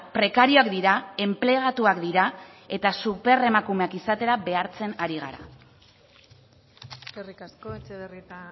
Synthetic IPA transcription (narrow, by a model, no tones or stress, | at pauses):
pɾe̞kaɾio̞akd̪iɾae̞mple̞ɣat̪uakd̪iɾae̞t̪asupe̞re̞makume̞akisat̪e̞ɾaβe̞aɾt͡se̞naɾiɣa̰ɾa̰ | eskerikaskoet͡ʃeðerit̪a